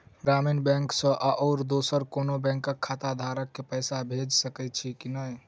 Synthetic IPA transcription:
ɡɾaminbɛ̃ŋksə̃ʔaʔɔːɾd̪osəɾkonobɛ̃ŋkːəkʰːat̪ad̪ʱaɾəkːepəjsabʱed͡ʒsəkɛt͡ʃʰikinəj

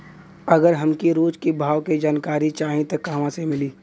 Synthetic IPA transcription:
ɐɡəɾɦɐmkiɾoːd͡ʒkibʱaːʋked͡ʒaːnkaːɾit͡ʃaːɦĩt̪ɐkːaːʋãsemɪliː

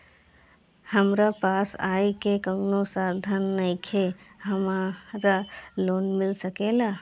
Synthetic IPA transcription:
həmɾapaːsaːikekə̃ŋnosaːɾd̪ʱanːɐĩkʰeɦɐmaɾaloːnmɪlsəkeːlaː

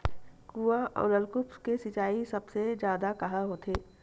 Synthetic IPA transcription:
kuaʔɔ̰ːɾəlkʊpskesɪt͡ʃaːisɐbsed͡ʒjaːd̪akɐɦaɦoːt̪ʰeː

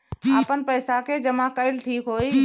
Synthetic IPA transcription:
aːpənpəːsaked͡ʒəmãkəɪlʈʰiːkɦoːi

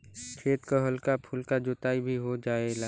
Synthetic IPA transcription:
kʰeːt̪kəɦəlkapʰʊlkad͡ʒʊt̪aːibʱiɦod͡ʒaːela

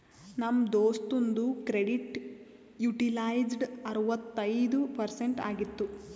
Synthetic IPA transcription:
nɐmːd̪oːst̪ond̪ukɾeɖiʈ | juʈilaːjd͡ʒɖɐɾuʋɐt̪ːɐjd̪upɐɾseɳʈa̰ːɡit̪ːu

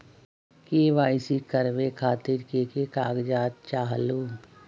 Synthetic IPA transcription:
keːʋaːɪsikəɾʋekʰaːt̪ɪɾkekekaːɡd͡ʒaːt̪̚t͡ʃaːɦluː

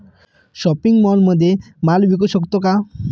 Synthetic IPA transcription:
ʃɔpiŋmɔnmod̪ʱe | malbik̬oʃokt̪oka

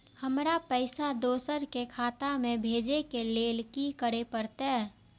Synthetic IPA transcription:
həmɾapəɪsad̪oːsəɾkekʰaːt̪amẽbʱeːd͡ʒekeleːlkikəɾepəɾt̪ː

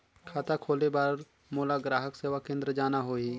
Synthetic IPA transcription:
kʰaːt̪akʰoːlebaːɾ | moːlaɡɾaːɦəkseːʋakẽːnd̪ɾəd͡ʒaːnaɦoːiː

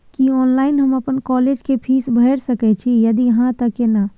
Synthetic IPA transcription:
kiɔːnlaːɪnɦəməpənkɔːleːd͡ʒkepʰiːsbʱəɪɾsəkɛt͡ʃʰijɐd̪ijɐɦãt̪ɐkena

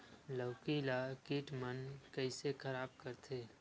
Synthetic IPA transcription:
ləwkiːlakiːʈmənkəɪsekʰəɾaːb̚kəɾt̪ʰeː

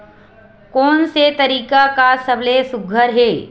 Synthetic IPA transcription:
kɔːnset̪ɐɾiːkakasɐblesʊɡʱəɾɦeː

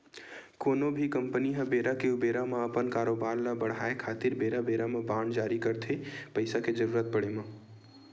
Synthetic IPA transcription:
konobʱikəmpəniɦə̃beɾakeubeɾameəpənkaːɾobaɾlabəɽ̤ɦaekʰaːt̪iɾbeɾabeɾamebãɳɖd͡ʒaɾikəɾt̪ʰepəɪsaked͡ʒəɾuːɾət̪̚pəɽemə

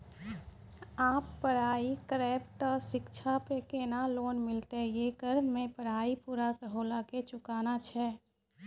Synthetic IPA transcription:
aːpːəɽaːikɾɛːpt̪əsɪkt͡ʃʰapekeːnaloːnmɪlt̪ejekəɾmẽpəɽ̤aːipuːɾakəɾɦolaket͡ʃʊkaːnat͡ʃʰɛː

